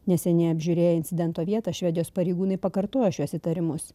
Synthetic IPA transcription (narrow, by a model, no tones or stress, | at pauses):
nʲɛsʲɛnʲɛɪɐbʲʒʲʊɾʲeːjɛɪnʲt̪sʲɪd̪ʲɛnt̪oːʋʲiɛt̪ɑʃʲʋʲɛd̪ʲɪjoːspɐɾʲɛɪɡuːnɐɪpɐkɐɾt̪oːjoʃʲuɔsʲɪt̪ɐɾʲɪmʊs